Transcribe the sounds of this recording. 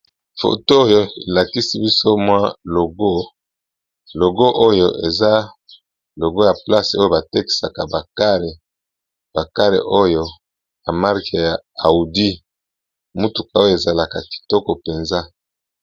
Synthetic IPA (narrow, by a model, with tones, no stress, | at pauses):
fo̰˨toː˦jo˦e˨la˨ki˦si˦bi˦so˦mwa˦lo˨ɡo˦ | lo˨ɡo˦ʔo˦jo˦ʔe˨za˦ | lo˨ɡo˦ja˨pla˦so˦jo˦ba˨te˦ki̥˨sa˨ka˨ba˨ka˦le˨ | b̥a˨ka˦lḛ˨ʔo˦jo˦ | ja˨ma˦ʁka˨ja˨a˨u˨di˦ | mu˦tu˨ka˨o˦jo˦e˨za˨la˨ka˨ki̥˨tɔ˦kɔ˨pe˨nza˦